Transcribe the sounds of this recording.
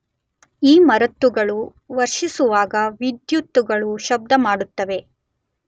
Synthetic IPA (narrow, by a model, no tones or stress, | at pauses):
iːmɐɾɐt̪ːuɡɐɭu | ʋɐɾʂisuʋaːɡɐʋid̪jut̪ːuɡɐɭuʃɐb̚d̪ɐmaːɽut̪ːɐʋe̞